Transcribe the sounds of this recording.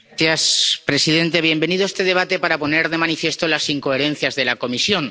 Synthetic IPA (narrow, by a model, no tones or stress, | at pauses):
aspɾe̞siðe̞nt̪eβ̞je̞mbe̞niðoest̪e̞ð̞e̞β̞at̪e̞paɾapo̞ne̞ɾðe̞manifje̞st̪o̞lasiŋko̞eɾẽ̞n̟θjazðe̞lako̞misjo̞ŋ